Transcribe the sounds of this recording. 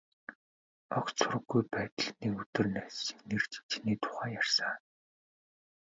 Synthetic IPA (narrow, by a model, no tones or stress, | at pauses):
ɔkt͡sʰʊr̆ɣːujpæːt̪ə̆ɮniːkɵt̪ɵ̆rnæːsːĭ̥ŋnert͡ɕt͡ɕʰniːt̪ʰʊ̥χæːjarsə